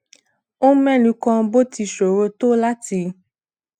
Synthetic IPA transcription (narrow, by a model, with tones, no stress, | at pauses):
õ˦mɛ̃˦˨nũ˧kɔ̃˧˦bo˦ti˧ʃo˨ɾo˧to˦la˦ti˧˨